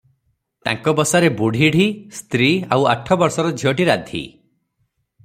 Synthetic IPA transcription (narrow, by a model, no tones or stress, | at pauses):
t̪a̰ŋkɔbɔsaɾebuɽ̤ʱiɽ̤ʱist̪ɾiawaʈʰɔbɔɾsɔɾɔd͡ʒʱiɔʈiɾad̪ʱḭ